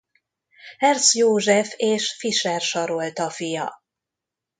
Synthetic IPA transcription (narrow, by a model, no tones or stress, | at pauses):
hɛrt̪sjoːʒɛfeːʃfiʃɛrʃɒɾo̞lt̪ɒfijɒ̰